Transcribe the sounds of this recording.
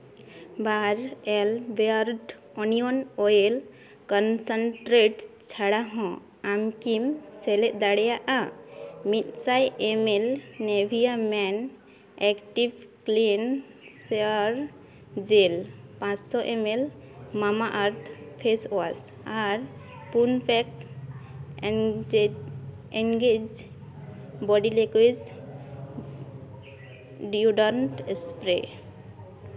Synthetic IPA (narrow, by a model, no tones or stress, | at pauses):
baɾelbəɾʈ | ɔnionoel | kɔnsəɳʈɾeʈt͡ʃʰaɽaɦɔ̃ | amkimseleʔd̪aɽjaʔamit̪sajʔemelnebʱijamɛn | ɛkʈibklin | seəɾ | zelpãssɔʔemelmamaʔaɾt̪ʰpʰesas | aɹ | punpʰɛks | eŋɡed͡ʒ | bɔɖilekwiz | ɖiuɖɔnʈspɾe